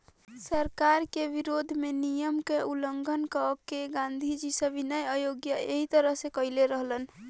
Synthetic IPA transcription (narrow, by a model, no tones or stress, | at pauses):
səɾkaɾkeʋiɾod̪ʱmenijəmkeuləŋɡʱənkəkeɡãnd̪ʱid͡ʒisəbʱinəjəjoɡjəeɦit̪əɾəɦsekəileɾəɦlən